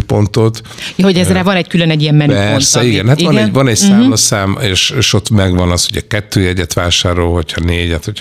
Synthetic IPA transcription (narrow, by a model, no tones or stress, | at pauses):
po̞nt̪o̞t̪ | jɒɦoɟɛzrɛvɒnɛckylønɛɟːijɛmmɛnyɛornsɛiɡɛnhat̪ʋɒnɛɟʋɒnɛcsaːmlɒsaːmeːʃeːʃo̞t̪mɛɡʋɒnɒshoɟɒkɛt̪ːøːjɛɟɛt̪ʋaːʃaːɾolho̞cʰhɒneːɟɛt̪hocʰ